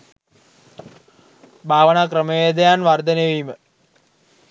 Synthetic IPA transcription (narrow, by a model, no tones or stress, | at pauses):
bʱaːʋənaːkrəmejed̪ɐjaːnʋard̪ɐneʋimə